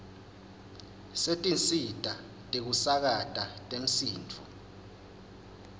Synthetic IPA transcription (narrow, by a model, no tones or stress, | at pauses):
setʼinsitʼa | tʼik̬usak̬atʼatʼem̩siːnt͡fʰṵ